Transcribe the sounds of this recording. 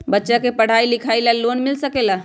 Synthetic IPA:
bətːʃakepəɽ̤ailikʰajlalonmilsəkela

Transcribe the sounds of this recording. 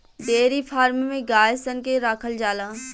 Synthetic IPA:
d̪eːɾipʰaːɾmmẽɡaːjsənkeɾaːkʰəld͡ʒaːlaː

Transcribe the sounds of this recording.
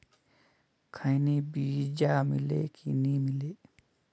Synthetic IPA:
kʰaniːbiːd͡ʒaːmḭlḛːkʰḭnĩːmileː

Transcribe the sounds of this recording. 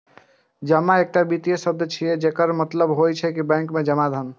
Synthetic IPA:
d͡ʒəmːaek̚ʈabit̪ijesəb̚d̪ət͡ʃʰijɛd͡ʒekəɾmət̪ləbɦojt͡ʃʰɛkibɛ̃ŋkmed͡ʒəmad̪ʱən

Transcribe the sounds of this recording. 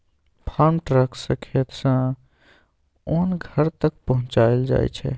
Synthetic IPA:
pʰaɾmʈɾəksə̃kʰet̪sã | oːnɡʱəɾt̪ək̚pəɦʊ̃t͡ʃaeld͡ʒa̰j̰t͡ʃʰɛ̰

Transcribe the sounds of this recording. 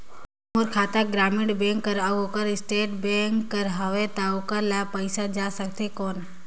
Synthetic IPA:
moɾkʰaːt̪aɡɾaːmɪɖbẽːŋkːəɾəɡoːkəɾɪsʈeːʈbẽːŋkːəɾɦɐʋet̪aokəɾlaːpəɪsad͡ʒaːsək̚t̪ekoːn

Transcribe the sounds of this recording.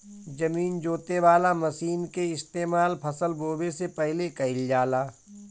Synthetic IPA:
d͡ʒɐmiːnd͡ʒoːt̪eʋaːlamɐsiːnkeɪst̪eːmaːlpʰɐsəlboːbesepɛɦlekɐɪld͡ʒaːlaː

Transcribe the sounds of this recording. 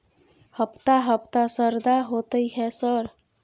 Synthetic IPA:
həpt̪aɦəpt̪asəɾd̪aɦot̪əjɦɛsəɾ

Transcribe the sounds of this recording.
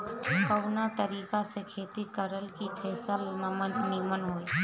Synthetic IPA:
kəwnat̪əɾiːkasekʰeːt̪ikəɾəlkipʰɛːsəlnəmənimənɦoːj

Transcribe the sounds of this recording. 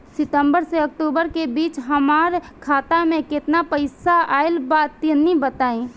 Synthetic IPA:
sɪt̪ə̃mbəɾseək̚ʈuːbəɾkebiːt͡ʃɦəmaːɾkʰaːt̪amẽkɪt̪napəɪsaaːɪlbaːt̪ɪnĩbət̪aːĩ

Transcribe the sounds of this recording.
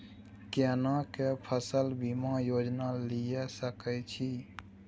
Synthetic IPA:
kenakepʰəsəlbimãjod͡ʒnalijɛsəkɛt͡ʃʰi

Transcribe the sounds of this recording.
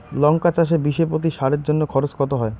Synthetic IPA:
lɔŋkat͡ɕaʃ̬ebiʃepot̪̬iʃaɾeɾd͡ʑonːokʰɔɾot͡ɕkɔt̪oɦɔe

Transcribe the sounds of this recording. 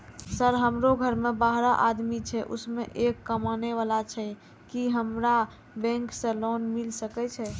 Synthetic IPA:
səɾɦəmɾoɡʱəɾmebaɦɾaʔad̪mit͡ʃʰɛʔṵsmeʔekːəmaneʋalat͡ʃʰɛ | kiɦəmɾa | bɛ̃ŋksə̃lonmilsəkɛt͡ʃʰɛ

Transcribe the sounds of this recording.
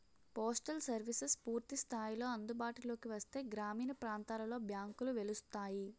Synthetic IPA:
poːsʈɐlsɐɾʋisɐspuːɾt̪ist̪ʰaːjilo̞ːɐnd̪ubaːʈulo̞ːkiʋɐst̪e̞ːɡɾaːmiːnɐpɾaːnt̪aːlɐlo̞ːbjaːŋkuluʋe̞lust̪aːji

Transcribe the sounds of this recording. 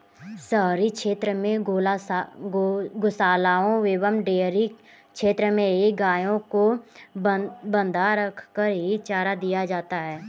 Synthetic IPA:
səɦɾikʃeːt̪ɾəmẽɡl | ɡʊsaːlaːõʋeːwəmɖeːɾi | kʃeːt̪ɾəmẽɦiɡaːjõko | bə̃nd̪ʱaɾəkʰkəɾɦit͡ʃaːɾad̪ijad͡ʒaːt̪aɦɛː

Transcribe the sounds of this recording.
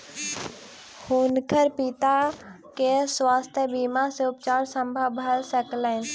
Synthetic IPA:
huːnkʰəɾpit̪a | keswaːst̪ʰjəbiːmaseʊpt͡ʃaːɾsə̃mbʱəbʱəlsɛklɛn

